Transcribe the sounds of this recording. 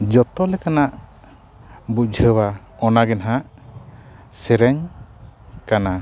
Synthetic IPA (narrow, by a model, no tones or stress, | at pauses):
d͡ʒɔt̪ɔlɛkanaʔ | bud͡ʒʱəwa | ɔnaɡɛnɦaʔ | sɛɾɛɲ | kana